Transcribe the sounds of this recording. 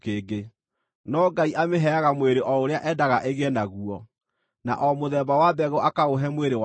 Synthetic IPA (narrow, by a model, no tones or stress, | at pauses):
keːɡe | nɔɡaiʔameɦɛaɣamweɾeʔɔoɾeaʔɛdaɣaʔeɣɛnaɣuɔ | na̰ʔɔmoðɛbawabɛɣoʔakaoɦɛmweɾewa